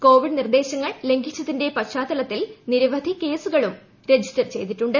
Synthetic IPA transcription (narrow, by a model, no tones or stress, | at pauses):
ko̞ːʋiɖnird̪e̞ːɕɐŋːɐɭle̞ŋɡʱit͡ɕːɐðinde̞pɐɕaːd̪ɐlɐt̪ːilniɾɐʋɐd̪ʱike̞ːsuɣɐɭum | ɾe̞d͡ʑʱistɐrt͡ɕe̞jt̪iʈːuɳɖɨ